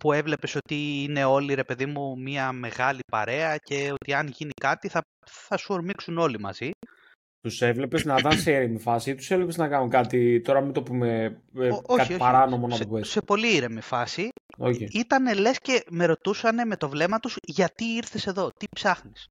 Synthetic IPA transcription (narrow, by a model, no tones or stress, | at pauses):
pue̞vle̞pe̞so̞t̪iine̞o̞liɾe̞pe̞ðimumiɐme̞ɣɐlipɐ̰ɾe̞ɐce̞o̞t̪iɐnʝinikɐt̪iθɐ | θɐsuoɾmiksuno̞limɐ̰z̥i | t̪use̞vle̞peznɐðɐnseiɾemifɐsiit̪u̥sevlepeznɐkɐnukɐt̪it̪o̞ɾɐmit̪o̞pume | oɐçioɐɾɐno̞monɐt̪opuese̞po̞liiɾemifɐsio̰çiit̪ɐne̞le̞sce̞me̞ɾo̞t̪usɐne̞me̞t̪o̞vle̞mɐt̪uzʝɐt̪iiɾθe̞se̞ðo̞t̪ipsɐxnis